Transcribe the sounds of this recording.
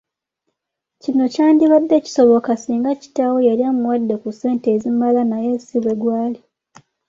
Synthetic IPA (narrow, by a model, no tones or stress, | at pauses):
cino̞caːndiβadːe̞ːci̥so̞βo̞kasiːŋɡaci̥tawojeɾjamuwadːe̞kuse̞ːntezimalanaje̞siβweɡwaːli